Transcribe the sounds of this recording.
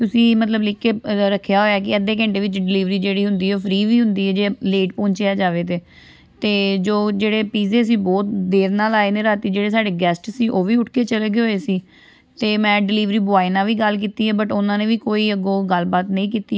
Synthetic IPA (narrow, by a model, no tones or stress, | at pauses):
t̪ʊsĩːmət̪ləblɪkeɾəkʰːejaːɦoːjaːk̬ɪəd̪eːk̬ɛ̃ɳʈeːʋɪt͡ʃɖɪliːʋɾiːd͡ʒeːɽiːɦʊnd̪iːɛoːpʰɾiːʋiːɦʊnd̪iːɛːd͡ʒeːleːʈpɔ̃ːɲt͡ʃeːaːd͡ʒaːʋeːt̪eː | t̪eːd͡ʒoːd͡ʒeːɽeːpiːzeːs̬iːbɔːt̪d̪eːɾnaːlaːeːnẽːɾaːt̪iːd͡ʒeːɽeːsaːɖeːɡɛːsʈsiːʔoːʋiːʊʈʰkeːt͡ʃəleːɡeɦoːeːsiː | t̪eːmɛ̃ːɖɪliːʋɾiːbʊaːiːnãːʋiːɡəlk̬iːt̪iːɦɛːbəʈʊnãːnẽːʋiːkoːiːəɡoːɡəlbaːt̪nəĩːkiːt̪iː